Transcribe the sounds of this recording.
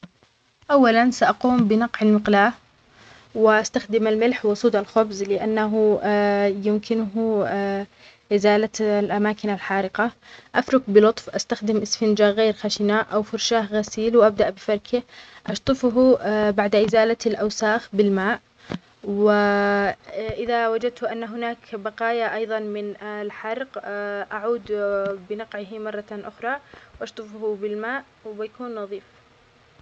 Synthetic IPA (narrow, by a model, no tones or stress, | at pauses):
ʔawːalansaʔaquːmbɪnɑqʕalmɪqlaːʔ | wɪʔast̪axd̪ɪmalmɪlħwʊsˤuːd̪alxʊbzlɪʔanːaɦʊ | jɪmkɪnʊɦʊ | ʔɪzaːlalʔamaːkɪnalħaːɾɪqɑʔafɾʊkbɪlʊt̪ˤfʔast̪axd̪ɪmʔɪsfɪnd͡ʒaɣeːɾxaʃɪnaːʔʔawfʊɾˤʃaːhɣasiːlwʔab̚d̪aʔbɪfɑɾˤkʰɪʔɑʃt̪ˤɨfʊɦubaʕd̪aʔɪzaːlalʔawsaːxbɪlmaːʔ | wɪ | ʔɪðawad͡ʒad̪̚t̪ʊʔanːaɦʊnaːkbɑqɑːjaʔɑjðˤɑnmɪnlħɑɾˤqʔaʕuːd̪bɪnɑqʕɪhmɑrˤːɑʔʊxɾˤɑwʔɑʃt̪ˤɨfhubɪlmaːʔ | wɪbɪjakuːnːɑðˤiːf